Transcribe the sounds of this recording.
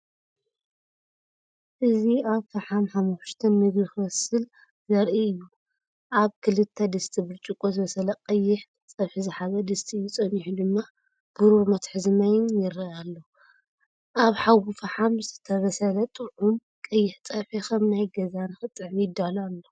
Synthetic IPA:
ʔɨziaβfɐħamħamuʃt̪ʰɐnmɨɡixɨwɐsɨl | zɐɾʔiɨjːu | ʔaβkʰɨlɨt̪ʰːɐd̪ɨst̪ʰibɨlt͡ʃʼɨkʼːozɨβɐsɐlɐqʼɐjːɪħ | t͡sʼɐβħizɨħaβɐd̪ɨst̪ʰiɨjːut͡sʼɐniħud̪ɨmːa | b̥ɨɾomɐt̪ħɨzɨmɐjɪnjɪɾɐalːo | ʔaβħawufɐħamzɨt̪ʰɐβɐsɐlɐt̪ʼɨʕum | kʼɐjːɪħt͡sʼɐβħikʰɐmnajɡɐzanɨxɨt̪ʼːɨʕmijɪd̪alalːo

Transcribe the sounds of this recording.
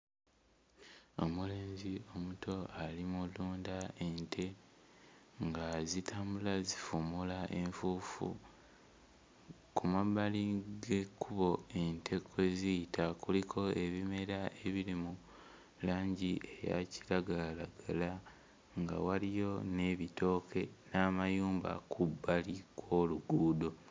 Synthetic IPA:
o̞̰mule̞ːɲzio̞mutʰo̞alimuluːndae̞ntʰe̞ | ŋɡazitʰaːmbulazifumulaʔe̞ɱfuːfṵ | kʰumaβaliɡe̞kuβo̞e̞ntʰe̞kʰwe̞zijitʰakulikʰo̞e̞βime̞ɾae̞βilimu | laːɲɟiʔe̞ja̰ciɾaɡalaɡala | ŋɡa̰walijo̞ne̞βitʰo̞ːkʰe̞naːmajuːmba̰kʰubːalikwo̞ːluɡuːdo̞

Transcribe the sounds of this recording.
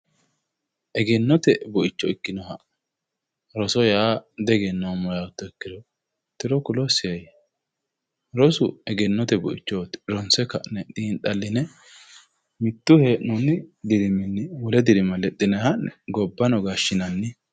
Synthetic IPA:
ʔɛɡɛnːɔt̪ɛbʊʔɪt͡ʃːɔɪkːɪnɔhɐ | ɾɔsɔjaːd̪ɛɡɛnːɔmɔjawʊt̪ːɔɪkːɪd̪ɔ | t̪ɪɾɔkʊlɔsɪjɐj | ɾɔsʊɛɡɛnːɔt̪ɛbʊʔɪ̰t͡ʃːɔːt̪ɾɔnsɛkɐnɛt̪ʼiːnt̪ʼɐlːɪnɛ | mɪt̪ːʊheːʔnɔnːɪd̪ɪɾɪmɪnːɪwʊlɛd̪ɪɾɪmɐlɛt̪ʼːɪnɛhɐnɛɡɔbːɐnɔɡaʃːɪnɐnːɪ

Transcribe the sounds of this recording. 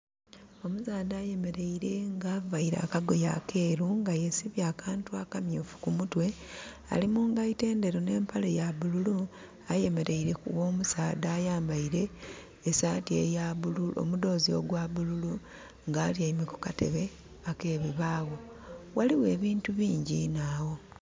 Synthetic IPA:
o̞musaːd̪aːje̞me̞ɾe̞iɾe̞ŋɡaːvaiɾa̰ːkaɡo̞ja̰kʰe̞ːɾuŋɡajesiβjaːkʰaːntuakamjoːfu̥kumutwe̞ | a̰limuːŋɡaite̞ːnde̞ɾone̞ːmpʰale̞jaβululu | aje̞me̞ɾʔe̞iɾe̞kuwo̞ːmusaːdaːjaːmbaiɾe̞ː | saːtie̞̰jaβululo̰mudo̞ːzio̞̰ɡwaβululu | ŋɡaːljaimeku̥kate̞̰βe̞ | ake̞ːβiβaːɣo̞ | waliwe̞ːβiːntuβiːɲɟinawo̞

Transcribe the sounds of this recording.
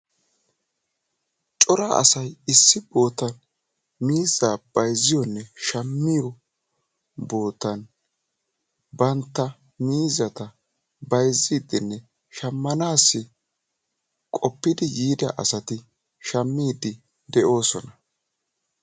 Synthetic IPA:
t͡ʃʼɔɾɐʔɐ̰sɐjɪsːɪbo̞ːt̪ɐn | miːzaːb̥ɐjzɪjɔnːɛʃɐmːɪjɔ | bo̞ːt̪ːɐn | bɐnt̪ːɐ | miːzɐt̪ɐ | bɐjziːd̪ɪnːɛ | ʃɐmːɐnaːsːɪ | kʼɔpːɪd̪ɪjiːd̪ɐ̰ʔɐ̰sɐt̪ɪ | ʃɐmːiːd̪ɪ | d̪ɛʔo̞ːsɔnɐ

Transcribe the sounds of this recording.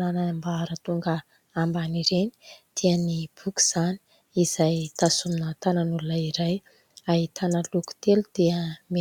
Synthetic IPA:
anambaɾət̪uŋɡə | ambaniɾeni̥d̪̥eənib̥uku̥z̥ani̥ | iz̥ajt̪asuminət̪ananulunaiɾaj | aɦit̪anəluku̥t̪elud̪̥eəme

